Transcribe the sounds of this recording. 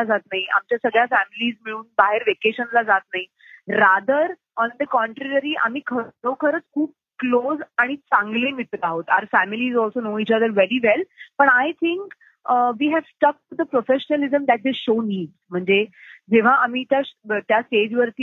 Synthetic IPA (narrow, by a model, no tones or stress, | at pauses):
ad͡zat̪naɦiʔa̰mt͡ɕjasəɡɭjafæmiliːzmiɭuːnbaɦeɾʋekeɕənlad͡zat̪̚naɦi | ɾad̪əɾ | ɔnd̪əkɔ̃ɳʈɾeɾəɾiːʔa̰m̤iːkʰəokʰəɾət͡skʰuːb̚kloːd͡zaɽ̃it͡sãŋɡlemit̪aɦot̪aɾfæmiliːzɔlsonoːit͡ɕad̪əɾʋɛɾiʋɛlpəɳajt̪ʰĩŋk | ʋiːɦæʋsʈək̚ʈud̪əpɾofeɕənəlizəmd̪æʈ̚d̪eɕoniːɖzm̤əɳd͡zed͡zeʋ̤aʔam̤iːt̪jat̪jasʈed͡ʑʋəɾt̪i